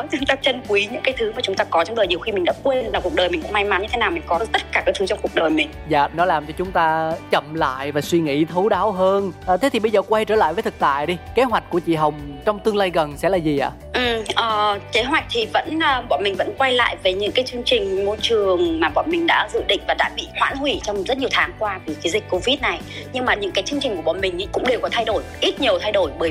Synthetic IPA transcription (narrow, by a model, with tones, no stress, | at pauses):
t͡ɕŋ͡mt̪aː˧t͡ɕə˧nkwi˨˦ɲɨ̰˧˥ŋkaː˨˦jt̪ʰɨ˨˦maː˨˩t͡ɕʊ˨˦ŋ͡mt̪aː˧kɔ˨˦t͡ɕɔ˧wŋ͡mɗəː˨˩ɲi˨˩əxi˧mï˨˩ŋ̟ɗa̰ː˧˥kwe˧nvaː˨˩ku˨˩ək̚ɗəː˨˩jmi̟˨˩kʊ̰˧˥ŋ͡mma˧jma˨˦nɲɨ˧e˨˦naː˨˩wmï˨˩ŋ̟kɔ˨˦ɨ˧˦t̪ə˦˥t̚kaː˧˩kaː˨˦t̪ʰɨ˨˦t͡ɕɔ˧ŋ͡mku˨˩ək̚ɗəː˨˩jmï˨˩ŋ̟za̰ː˧˨nɔ˨˦laː˨˩mt͡ɕɔ˧t͡ɕʊ˨˦ŋ͡mt̪aː˧t͡ɕə˧˩mla̰ː˧˨jvaː˨˩swi˧ŋḭ˧˥t̪ʰu˨˦wɗaː˨˦wɦəː˧nʔt̪ʰe˨˦t̪ʰi˨˩ɓə˧jzəː˨˩kwa˧jt͡ɕəː˧˩la̰ː˧˨jvəː˨˦jt̪ʰɨ˨˩k̚t̪a̰ː˧˨jɗi˧ke˨˦ɦwa˨˩k̟̚ku˧˩ət͡ɕḭ˧˨ɦə˨˩wŋ͡mt͡ɕɔ˧wŋ͡mt̪ɨ˧əŋlaː˧jɣə˨˩nsɛ̰˧˥laː˨˩zi˨˩ʔa̰ː˧˨ | ʔ̩˨˩ʔəː˨˩ke˨˦ɦwa˨˩jk̚t̪ʰi˨˩və̰˧˥nʔəː˨˩ɓɔ̰˧˨nmï˨˩ŋ̟və̰˧˥nkwa˧jla̰ː˧˨jve˨˩ɲɨ̰˧˥ŋkaː˨˦jt͡ɕɨ˧əŋt͡ɕï˨˩ŋ̟mo˧jt͡ɕɨ˨˩əŋmaː˨˩ɓɔ̰˧˨nmï˨˩ŋ̟ɗa̰ː˧˥zṵ˧˨ɗḭ̈˧˨ŋvaː˨˩ɗa̰ː˧˥ɓḭ˧˨hwa̰ː˧˥nhwi˧˩t͡ɕɔ˧wŋ͡mzə˦˥t̚ɲi˨˩ə˩t̪ʰaː˨˦ŋkwaː˧vi˨˩kaː˨˦zi˨˩k̟ko˧vi˦˥t̚na˨˩j | ɲɨ˧ŋmaː˨˩ɲɨ̰˧˥ŋkaː˨˦jt͡ɕɨ˧əŋt͡ɕï˨˩ŋku˧˩əɔ̰˧˨nmï˨˩ŋ̟ʔi˨˦jkʊ̰˧˥ŋ͡mɗe˨˩wkɔ˨˦t̪ʰa˧jɗo˧˩jʔi˦˥t̚ɲi˨˩əwt̪ʰa˧jɗo˧˩jɓəː˨˩